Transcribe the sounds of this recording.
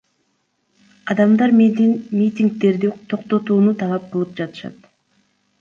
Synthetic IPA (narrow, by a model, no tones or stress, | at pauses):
ɑd̪ɑmd̪ɑɾmmʲit̪ʲiŋk̚t̪e̞ɾd̪it̪ʰo̞qt̪o̞t̪uːnut̪ʰɑlˠɑp̚qɯlˠɯp̚d͡ʒɑt̪ɯ̥ʃɑ̰t̪